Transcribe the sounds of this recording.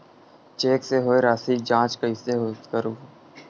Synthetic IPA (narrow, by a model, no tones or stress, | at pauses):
t͡ʃeːkseɦoːeɾaːsid͡ʒãːt͡ʃkəiseɦot̪kəɾuː